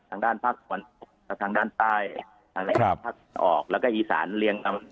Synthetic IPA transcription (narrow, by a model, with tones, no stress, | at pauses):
t̪ʰaː˧ŋdaː˥˩npʰaː˥˩k̚t̪ʰa˧˩a˧˦no˨˩k̚lɛː˦˥˩t̪ʰaː˧ŋdaː˥˩nt̪aː˥˩j | t̪ʰaː˧aː˥˩˧pʰaː˥˩k̚ənʔɔ̰ː˨˩k̚lɛː˦˥kɔː˥˩ʔiː˨˧˩sa̰ː˩˦nli˧əŋna˧m